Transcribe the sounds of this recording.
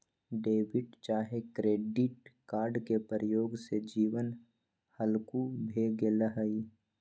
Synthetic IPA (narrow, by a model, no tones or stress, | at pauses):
ɖeːʋɪʈt͡ʃaːɦekɾeːɖɪʈkaːɾɖkepəɾəjoːɡsed͡ʒiːʋən | həlkubʱeːɡeləɦəi